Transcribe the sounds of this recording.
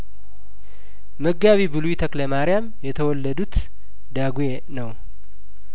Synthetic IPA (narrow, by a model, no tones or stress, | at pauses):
məɡːaβibɨluit̪ʰəkləmaɾɪjamjɛt̪ʰəwɔlːəd̪ut̪ | d̪aɡuje | nəw